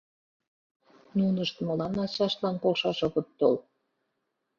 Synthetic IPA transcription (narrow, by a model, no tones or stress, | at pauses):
nunəʃt̪molɑnɑt͡ɕɑʃlɑnkokʃɑʃoɣə̆t̪ːol